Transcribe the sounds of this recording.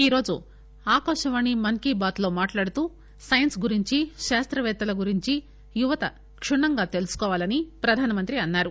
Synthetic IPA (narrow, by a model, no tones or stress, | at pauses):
iːɾo̞ːd͡ʒṵ | aːkɐːʃɐʋaːɳimɐnkiːbaːt̪lo̞ːmaːʈlaːɽut̪uː | sɐjɐnsɡuɾiɲt͡ʃiʃaːst̪ɾɐʋɛːt̪ɐlɐɡuɾiɲt͡ʃi | juʋɐt̪ɐ | kʂuɳːɐŋɡaːt̪e̞lusu̥kɔːʋaːlɐnipɾɐd̪ʱaːnɐmɐnt̪ɾiɐnːaːɾu